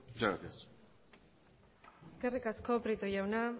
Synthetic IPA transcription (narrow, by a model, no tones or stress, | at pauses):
saaɾas | eske̞rikasko̞pɾit̪ojawna